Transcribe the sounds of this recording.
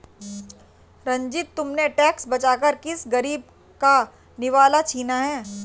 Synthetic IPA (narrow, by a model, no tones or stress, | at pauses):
ɾɐ̃ɲd͡ʒɪt̪ːʊmneʈɛːksbɐt͡ʃaːkəɾkɪsɡɐɾiːb̚ | ka | nɪʋaːlat͡ʃʰiːnaɦɛː